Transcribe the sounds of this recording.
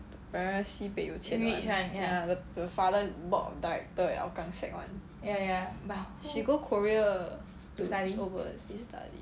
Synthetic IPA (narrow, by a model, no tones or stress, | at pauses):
pɛɹəsipejutʰɛ̃iãnjadədəfadəbɔtɔ̰daɹɛ̰k̚təɛ̰ʔa̰ʊkãŋsɛ̰k̚wã̰n | jajawɛ | ʃiɡokʰɔɹiə | tusadiovəsdistʰa̰dḭ